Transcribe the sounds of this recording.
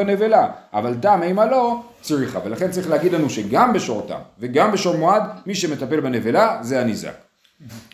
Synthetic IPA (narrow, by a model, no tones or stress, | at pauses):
anevelaʔavalt̪ameimalo̞ | t͡sʁiχa̰ve̞laχe̞nt͡saʁiχleaɡid̪lanuʃe̞ɡambe̞ʃoʁt̪a̰mveɡambe̞ʃomoad̪miʃe̞me̞t̪ape̞lbene̞velazeaniza̰k